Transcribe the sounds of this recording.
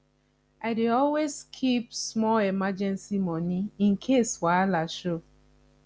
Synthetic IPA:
aɪdeɔlwezkʰipsmɔlemad͡ʒɛ̃nsimɔniĩn̩kʰeswalaʃo

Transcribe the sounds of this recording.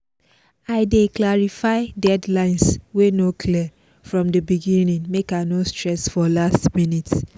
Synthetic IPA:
aɪdeklaɹifaɪdɛdlãɪ̃nswenokʰli | fɹɔ̃mdəbiɡĩnĩŋmekanostɹɛsfɔlastmĩnit

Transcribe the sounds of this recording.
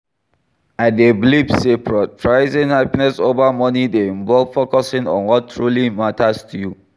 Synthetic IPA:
adeblibsepɹɛt̚fɹaɪzĩnhapinɛsovamɔnideĩnvɔlfokɔsĩŋɔ̰̃nwɔtʰːɹulimatastʰuju

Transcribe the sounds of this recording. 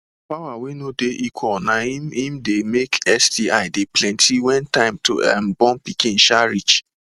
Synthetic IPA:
pawawenodeʔikʰwɔnaimĩmdemekɛsdia̰ɪdeplɛ̃ntʰiwɛ̃ntãɪ̃mto̰a̰mbɔ̃npikĩn̩ʃaɾit͡ʃ

